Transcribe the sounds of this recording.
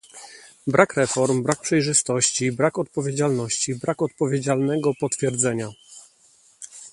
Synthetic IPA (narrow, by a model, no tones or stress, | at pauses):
bɾʔakɾɛfɔɾmbɾak̚pʂɛjʐɘst̪ɔɕt͡ɕibɾakɔt̪̚pɔvʲjed͡ʑalnɔɕt͡ɕibɾakɔt̪̚pɔvʲjed͡ʑalnɛɡɔpɔt̪fʲjɛɾd̪zɛɲa